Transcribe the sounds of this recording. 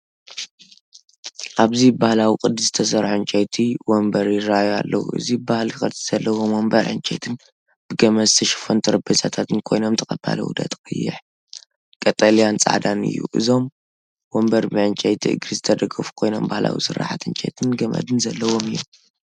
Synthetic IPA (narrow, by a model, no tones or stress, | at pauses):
ʔaβzibahlawikʼɨd̪ːɨszɨt̪ʰɐs̬ɐɾħoɨnt͡ʃʼɐjt̪ʰiwombɐɾjɪɾajoa̰lːɐwṵʔɨ̰zibahlikɨiz̥ɐlːɐwomwombɐɾʕɨ̰nt͡ʃʼɐ̰jt̪ʰɨn | b̥ɨɡɐmɐzt̪ʰɐʃɪ̥font̪ʰɐɾɐbɐzʼat̪ʰat̪ʰɨnkʰo̞jno̞mt̪ʰɐkʼɐb̥a̰lɐ̰wṵd̪ɐ̰t̪ʼkʼɨjːɪ̰ħ | kʼɐt̪ʼɐlijant͡sʼa̰ʕd̪anɨ̰jːṵʔɨzo̞m | wombɐɾbɨʕɨnt͡ʃʼɐjt̪ʰiʔɨ̰ɡɾɨzɨt̪ʰɐd̪ɐɡɐfu̥kʰo̞jno̞̰mbahla̰wḭsɨɾːa̰ħat̪ɨnt͡ʃʼɐjt̪ʰɨnɡɐmɐ̰d̪ɨnzɐlːɐwo̞mɨjːom